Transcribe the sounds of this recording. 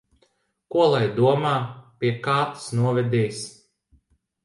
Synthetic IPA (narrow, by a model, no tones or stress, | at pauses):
kuɔlˠajd̪uɔmaːpʲiɛkaːt̪ɨ̥snuɔvʲɛd̪ʲɛːs